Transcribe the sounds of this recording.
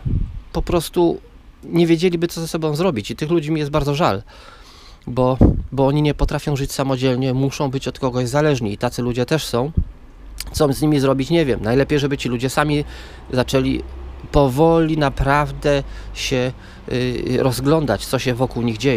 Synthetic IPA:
pɔpɾɔst̪u | ɲevʲjed͡ʑelʲibɘt̪ɔzasɔbɔ̃w̃zɾɔbʲit͡ɕit̪ɘxlud͡ʑimʲijɛsd̪̚baɾd̪ɔʐal | bɔbɔɔɲiɲɛpɔt̪ɾafʲjɔ̃w̃ʐɘt͡ɕsamɔd͡ʑɛlɲɛmuʂɔ̃w̃bɘt͡ɕɔt̪kɔɡɔʑzalɛʐɲiːt̪at̪sɘlud͡ʑɛt̪ɛʂsɔ̃w̃ | t̪sɔzɲimʲizɾɔbʲit͡ɕɲɛvʲjɛmnajlɛpʲjejʐɛbɘt͡ɕilud͡ʑɛsamʲi | zat͡ʂɛlʲḭpɔvɔlʲinapɾavd̪ɛɕɛ | ɾɔzɡlɔnd̪at͡ɕt̪sɔɕɛvɔkuwɲiɣd͡ʑejɛ

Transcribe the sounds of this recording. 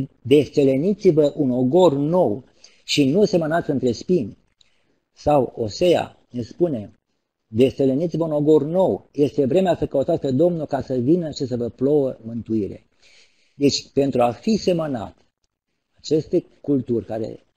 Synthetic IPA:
d̪e̞st̪elenit̪sivəʔuno̞ɡo̞rno̞w | ʃinuse̞mənat̪sʲɨnt̪ɾe̞spinʲ | sawo̞se̞ja̰ | nespune̞ | d̪e̞st̪elenit̪sivəunoɡo̞rno̞wje̞st̪e̞vɾe̞measəkəut̪at̪sʲpe̞d̪o̞mnulkasəvinəʃisəvəplo̞wəmɨnt̪uiɾe̞̰ | d̪e̞t͡ʃʲpe̞nt̪ɾuafise̞məna̰t̪ | at͡ʃe̞st̪e | kult̪urʲkaɾḛ

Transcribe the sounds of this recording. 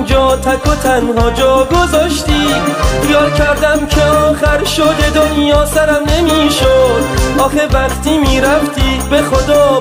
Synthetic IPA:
d͡ʒɒːt̪ʰækʰot̪ʰænɦɒːd͡ʒɒːɡo̞zɒːʃt̪iːχijɒːlkʲʰæɾd̪æmkʰeɒːxæɾʃo̞d̪ed̪onjɒːsæɾæmne̞miːʃod̪̥ʔɒːxevæχt̪ʰiːmiːɾæft̪ʰiːbe̞χod̪ɒː

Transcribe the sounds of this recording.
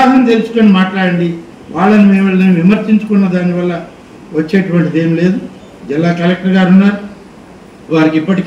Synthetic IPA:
aːd̪ɐnt̪e̞lusu̥ko̞ːnimaːʈlaːɽɐɳɖi | ʋaːɭːɐnumɛːʋɐɭːɐnʋimɐɾt͡ʃiɲt͡ʃu̥kunːɐd̪aːniʋɐlːɐ | ʋɐt͡ʃːe̞ːʈuʋɐɳʈid̪e̞ːmle̞ːd̪u | d͡ʒɛlːaːkɐlɐk̚ʈɐɾɡaːɾunːaːɾu | ʋaːɾikipːɐʈik

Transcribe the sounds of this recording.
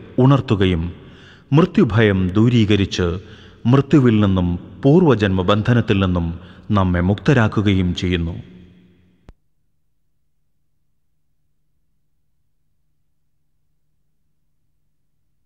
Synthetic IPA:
uɳɐrt̪ːuɣɐjum | mrɨt̪jubʱɐjɐmd̪uːɾiːɣɐɾit͡ɕːɨ | mrɨt̪ːjuʋilninːumpuːrʋɐd͡ʑɐnmɐbɐnd̪ʱɐnɐt̪ːilninːumnɐmːe̞mukt̪ɐɾaːkːuɣɐjumt͡ɕe̞jːunːṵ

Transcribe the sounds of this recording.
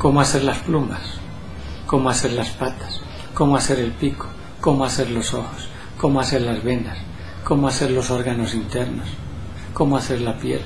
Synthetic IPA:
ko̞moaθe̞ɾlasplumas | ko̞moaseɾlaspat̪ḁs | ko̞moase̞ɾe̞lpiko̥ | ko̞moaθeɾlo̞so̞xo̥s | ko̞moaθeɾlazβe̞nd̪as | ko̞moaθeɾlo̞so̞ɾɣano̞sint̪e̞ɾno̞s | ko̞moaθe̞ɾlapje̞̰l

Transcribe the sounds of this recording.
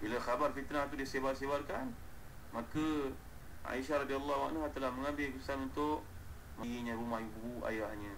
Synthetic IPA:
bilaxabarfit̪nat̪udiəsebarsebarkan | makə | ʔa̰iʃaɾad̪ialˤːawa̰nɦat̪əlahməŋambɪlkəisanunt̪ʊʔ | məjiɲə̃ɾumahjububua̰jahɲə̃

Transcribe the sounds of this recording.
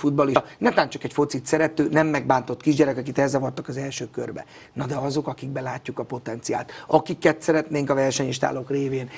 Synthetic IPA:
fud̪̚bɒlinɛt̪aːnt͡ʃɒkɛcfo̞t̪sit̪sɛɾɛt̪øːnɛmːɛɡ̚baːnt̪o̞t̪ːkiʒɟɛɾɛkɒkit̪ɛzːɛvɒt̪ːɒkɒzɛlʃøːkø̰rbɛ̰ | nɒd̪ɛɒzo̞kɒkiɡ̚bɛlaːcːukɒpo̞t̪ɛnt̪sija̰ːlt̪ɒkikːɛt̪sɛɾɛt̪neːŋkɒvɛrʃɛɲiʃt̪a̰ːlokreːveːn

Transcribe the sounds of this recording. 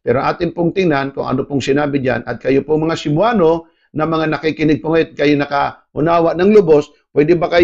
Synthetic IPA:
pɛɾoʔaːt̪ɪnpoŋt̪ɪŋnankʊŋɐ̰nopoŋsɪnaːbɪd͡ʒa̰nʔɐ̰t̪̚kɐjopoŋmɐŋasɪmʊaːno̞ | nɐmɐŋanɐkikɪnɪɡ̚pʊŋɛt̪̚kɐjonɐka | ʊ̰naːwɐʔnɐŋlʊbo̞s | pwɛd̪ɪbakɐj

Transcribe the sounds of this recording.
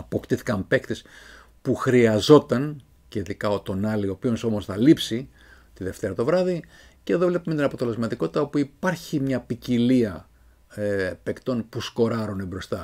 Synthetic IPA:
ɐpo̞kt̪iθi̥kɐmpe̞kt̪es | puxɾiɐzo̞t̪ɐn | ceiðikɐot̪o̞nɐlio̞pio̞nso̞mo̞sθɐlipsi | t̪iðe̞ft̪e̞ɾɐt̪o̞vɾɐði | ceðo̞vle̞pumet̪inɐpo̞t̪e̞le̞zmɐt̪iko̞t̪i̥t̪ɐo̞puipɐɾçimɲɐpiciliɐ | epe̞kt̪o̞npusko̞ɾɐɾunebɾo̞st̪ɐ

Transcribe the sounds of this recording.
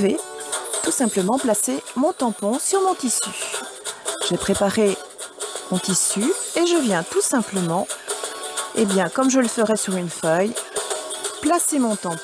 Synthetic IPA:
vet̪usɛ̃pləmɑ̃plasemɔ̃t̪ɑ̃pɔ̃syʁmɔ̃t̪isy | ʒ̥epχepaʁe | mɔ̃t̪isyeʒəvjɛ̃t̪usɛ̃pləmɑ̃ | ḛbjɛ̃kɔmʒələfəʁɛsyʁynfœj | plasemɔ̃t̪ɑ̃p

